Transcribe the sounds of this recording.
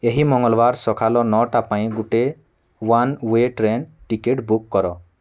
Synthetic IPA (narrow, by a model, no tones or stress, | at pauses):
eɦimɔŋɡɔlbaɾsɔkʰalɔnɔʈapãj̃ɡuʈe | wanweʈɾenʈikeʈbukːɔɾɔ